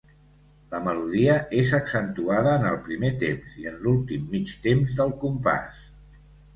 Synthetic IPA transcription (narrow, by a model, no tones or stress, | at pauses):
ləməluðiəezəksənt̪uaðəːnəlˠpɾimet̪emziənlulˠt̪imːit͡ʃt̪emzðəlˠkumpa̰s